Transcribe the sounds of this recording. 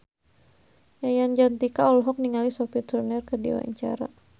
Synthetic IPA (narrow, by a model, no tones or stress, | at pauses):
jajand͡ʒant̪ikaɔlɦɔk̚niŋalisɔpit̪ərnɛrkədḭwa̰ɲt͡ʃa̰ɾa̰